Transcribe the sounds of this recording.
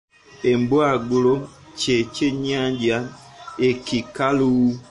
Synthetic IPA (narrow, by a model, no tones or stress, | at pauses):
emboaɡulot͡ʃet͡ʃeɲaɲd͡ʒaekikaluː